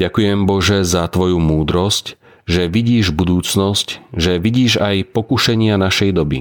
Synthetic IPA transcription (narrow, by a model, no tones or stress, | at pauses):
ɟakujɛmbɔʒɛzat̪ʋɔjumuːd̪ɾɔsc | ʒɛʋiɟiːʒbud̪uːt͡snɔscʒɛʋiɟiːʒajpɔkuʃɛɲɪanaʃɛjd̪ɔbḭ